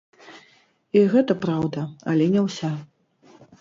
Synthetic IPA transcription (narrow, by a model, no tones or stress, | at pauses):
iɣɛt̪ɐpɾawd̪ɐɐlʲɛnʲɛwsʲa